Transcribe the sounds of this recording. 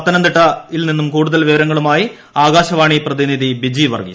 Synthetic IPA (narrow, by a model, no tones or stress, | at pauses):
ɐt̪ːɐnɐnd̪iʈːɐilninːumkuːɽuðɐlʋiʋɐɾɐŋːɐɭumaːji | aːɣaːɕɐʋaːɳiprɐðiniðibid͡ʑiʋɐ̰rɡḭ